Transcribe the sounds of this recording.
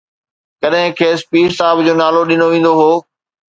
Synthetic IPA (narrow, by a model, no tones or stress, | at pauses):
kɐɗɦɪ̃kʰeːspiːʈsaːbd͡ʑoːnaːloɗɪnoʋẽːn̆d̪oɦoː